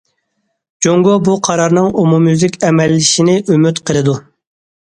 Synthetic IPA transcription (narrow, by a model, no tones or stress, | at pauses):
d͡ʒoŋɡobuqʰɑɾɑɾnɨŋomumyzɪkʲɛmɛlːɪʃinɪʔømyt̪qʰəlˠɨd̪u